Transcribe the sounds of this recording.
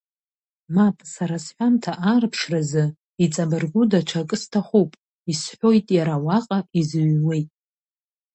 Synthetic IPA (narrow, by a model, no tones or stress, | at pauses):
mapʼsaɾasħʷᶣamtʰaʔarpʰʂrazɨ | it͡sʼabɨrɡʷudaʈ͡ʂʰakʼɨstʰaχʷupʼ | isħʷᶣo̞jtʼjaɾawaqʼaizɥwe̞jtʼ